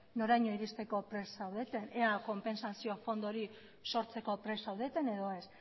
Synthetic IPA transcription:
no̞ɾajɲo̞iɾist̪e̞ko̞pɾe̞sawðe̞t̪e̞nʔeako̞mpe̞nsasio̞fo̞nd̪oɾi | so̞ɾt͡se̞ko̞pɾe̞sawðe̞t̪e̞ne̞ðo̞e̞s

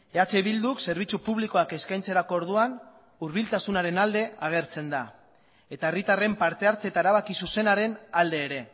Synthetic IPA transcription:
e̞at͡se̞βild̪ukse̞ɾβ̞it͡supuβ̞liko̞ake̞skajnt͡se̞ɾako̞ːɾð̞uan | uɾβilt̪asunaɾe̞nald̪e̞aɣ̞e̞ɾt͡se̞nd̪a | e̞t̪aerit̪are̞mpaɾt̪e̞aɾt͡set̪aeɾaβ̞akisuse̞naɾe̞nald̪e̞ːɾe̞

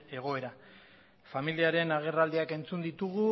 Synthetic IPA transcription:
e̞ɣ̞o̞e̞ɾa | familiaɾe̞naɣ̞e̞rald̪iake̞nt͡sund̪it̪uɣu

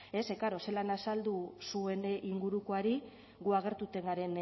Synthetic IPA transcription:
e̞se̞kaɾo̞selanasald̪usue̞niŋɡuɾuko̞aɾi | ɣuaɣ̞e̞ɾt̪ut̪e̞ŋɡaɾe̞n

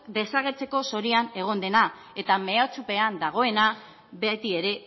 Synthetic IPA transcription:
d̪e̞saɣ̞e̞ɾt͡se̞ko̞so̞ɾiane̞ɣ̞o̞nd̪e̞na | e̞t̪ame̞at͡supe̞and̪aɣ̞o̞e̞na | bet̪ie̞ɾe̞

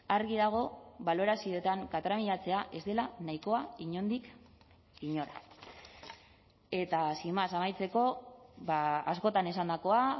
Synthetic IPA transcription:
aɾɣiðaɣ̞o̞βalo̞ɾasio̞et̪aŋkat̪ɾamiʎat͡se̞aʔe̞zd̪e̞lanaiko̞aiɲo̞nd̪ik | iɲo̞ɾa̰ | e̞t̪asimasamajt͡se̞ko̞βaasko̞t̪ane̞s̬and̪ako̞a

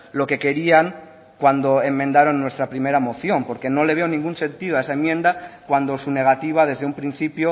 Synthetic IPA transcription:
lo̞ke̞ke̞ɾiaŋ | kwand̪oe̞mːẽnd̪aɾonːwe̞st̪ɾapɾime̞ɾamo̞θjõ̞mpo̞ɾke̞no̞le̞β̞eonĩŋɡunsẽ̞nt̪iðoaesaemjẽ̞nd̪akwand̪o̞sune̞ɣ̞at̪iβ̞að̞e̞zðeumpɾin̟θipjo

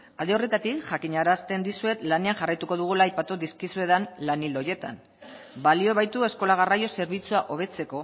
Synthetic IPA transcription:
ald̪e̞o̞re̞t̪at̪ikʝakiɲaɾast̪e̞nd̪isue̞t̪lane̞anʝarajt̪uko̞ðuɣ̞ulaːjpat̪uðiskisue̞ðanlaniloje̞t̪a̰n | balio̞βajt̪ue̞sko̞laɣ̞arajo̞se̞ɾβ̞it͡suaʔo̞β̞e̞t͡se̞ko̞

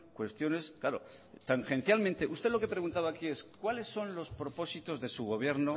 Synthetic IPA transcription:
kwe̞st̪jo̞ne̞sklaɾo̞̰ | t̪aŋxe̞nθjalment̪e̞ʔust̪e̞lo̞ke̞pɾe̞ɣ̞unt̪aβaːkie̞skwale̞sːo̞nlo̞spɾo̞po̞sit̪o̞zðe̞suɣ̞o̞β̞je̞ɾno

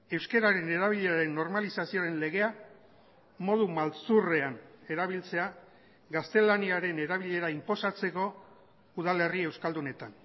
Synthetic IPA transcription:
e̞wske̞ɾaɾe̞ne̞ɾaβ̞iʎe̞aɾe̞nːo̞ɾmalisasio̞ɾe̞nle̞ɣ̞e̞a | mo̞ð̞umalt͡sure̞ane̞ɾaβ̞ilt͡se̞a | ɡast̪e̞laniaɾe̞ne̞ɾaβ̞iʎe̞ɾaimpo̞sat͡se̞ko̞ | uðale̞rie̞wskald̪une̞t̪an

